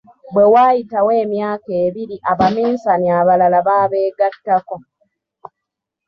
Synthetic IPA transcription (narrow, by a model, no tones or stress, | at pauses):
bwe̞waːjitawe̞ːmjaːkeːβiɾiʔaβamiːnsaniaβalalaβaːβe̞ːɡatːako